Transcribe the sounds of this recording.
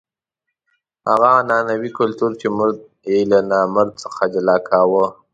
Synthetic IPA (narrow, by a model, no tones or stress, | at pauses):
haɣanɑːnawikʊlt̪uɾt͡ʃemʊd̪̚ | jelanɑːmaɾd̪̚t͡sə̥xad͡ʒalɑːkʰawə